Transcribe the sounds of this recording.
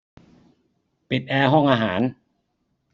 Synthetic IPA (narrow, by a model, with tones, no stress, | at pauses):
pi˨˩t̪̚ʔɛː˧ɦɔ˥˩ŋʔaː˧ɦaː˩˦n